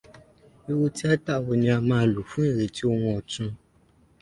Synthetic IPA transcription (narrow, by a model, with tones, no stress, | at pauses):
e˦wo˦ti˦a˦ta˦˨wo˧ɲ̃˦ã˧mãː˧˦lu˨fũ˦e˦˨ɾe˨ti˦o˦wɔ̃˧ɔ˨tũ˧˦